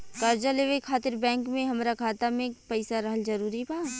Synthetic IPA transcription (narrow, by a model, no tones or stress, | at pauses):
kɐɾd͡ʒaleːʋekʰaːt̪ɪɾbɛ̃ːŋkmẽɦɐmɾakʰaːt̪amẽpɐɪsaɾɐɦəld͡ʒɐɾuːɾibaː